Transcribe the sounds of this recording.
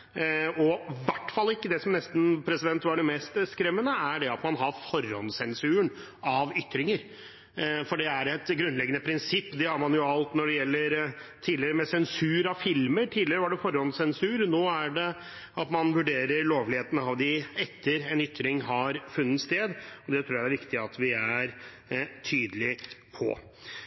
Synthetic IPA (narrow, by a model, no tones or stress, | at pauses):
ɔʋæʈːfɑlːɪkːəd̪ɛsɔmnɛst̪n̩pʰɾɛsɪd̪ɛnt̪ʋɑɖɛmɛːst̪skɾɛmːənəæɖɛɑt̪mɑnɦɑɾfɔɾɔ̰nsɛnsʉːəɳ | ɑʋʏt̪ːɾɪŋəɾ | fɔɖɛæɾɛt̪ɡɾʉnlɛɡːənəpʰɾɪnsɪpːd̪ɛhɑɾmɑnjʊɑlt̪nɔɖɛjɛlːəɾt̪ʰiːlɪɾəmɛsɛnsʉːɾɑʋfɪlməʈʰiːlɪɾəʋɑɖɛfɔɾɔnd̪sɛnsʉːɾnoːæɖɛ | ɑt̪mɑnʋʉɖeːɾəɾɭoːʋlɪheːt̪ən̩ɑʋd̪ɪɛt̪ʰːəɾɛnʏt̪ːɾɪŋɦɑɾfʉnːət̪st̪eːd̪ɔd̪ɛt̪ʰɾuːɾaæɪæɾʋɪkt̪ɪɑt̪ʋɪæɾ | t̪ʰyːd̪əlɪpʰɔ̰